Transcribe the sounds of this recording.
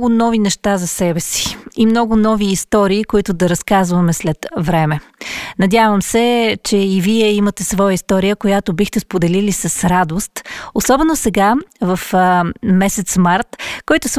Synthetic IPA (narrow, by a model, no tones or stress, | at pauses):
ɡʊnɔvinɛʃt̪azɐsɛbɛsi̥imnɔɡʊnɔviːst̪ɔɾiːkoit̪ʊd̪ɐɾɐskazvɐmɛslɛt̪vɾɛmɛ | nɐd̪ʲjavəmsɛt͡ʃɛiviɛimət̪ɛsvɔjəist̪ɔɾijəkojat̪obixt̪ɛspod̪ɛlilisɐsɾad̪ost̪osɔbɛnosɛɡavɐfmɛsɛt̪smaɾt̪kɔjt̪ʊs